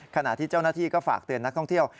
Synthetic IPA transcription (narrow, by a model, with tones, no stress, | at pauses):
kʰa˧na̰˨˩ʔt̪ʰiː˥˩t͡ɕa˥˩wnaː˥˩t̪ʰiː˥˩kɔː˥˩fa̰ː˨˩k̚t̪ɯ˧ənːa˦˥k̚t̪ɔ˥˩ŋt̪ʰi˥˩əw